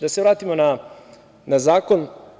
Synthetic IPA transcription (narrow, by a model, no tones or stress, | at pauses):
d̪aseʋɾaːt̪imo̞na | nazaːko̞n